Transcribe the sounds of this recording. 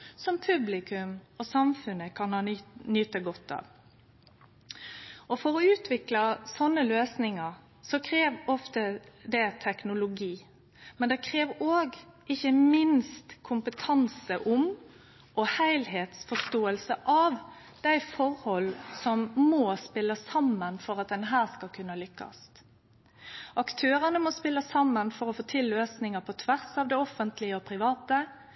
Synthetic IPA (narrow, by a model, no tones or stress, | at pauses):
sɔmpʰʉblɪkʰʉmɔsɑmfʉnəkʰɑnɑnyːt̪əɡɔt̪ːɑ̰ːʋ | ɔfɔɾɔʉːt̪ʰʋɪklɑsɔnːəløːsnɪŋɑɾ | sɔkʰɾeːʋɔft̪əd̪ɛt̪ʰɛknʊlʊɡiː | mɛnd̪ɛkʰɾeːʋoːɡʔɪçːəmɪnst̪kʰʊmpət̪ʰɑnsəʔʊm | ʔɔhæɪlheːt̪sfɔʂt̪oːəlsəʔɑʋ | d̪̥æɪfɔʁhɔlːsɔmːɔːspɪlːəsɑmːənfɔɾɑt̪̚d̪ɛnɦæːʁskɑkʰʉnːəlʏkːɑ̰st̪ | ʔɑkt̪ʰøːɾənəmɔspɪlːəsɑmːənfɔɾɔfoːt̪ʰɪlːøːsnɪŋəpʰɔt̪ʰʋæʁsɑːʋd̪ɛɔfːənt̪ʰlɪəɔpʰɾɪʋɑːt̪ə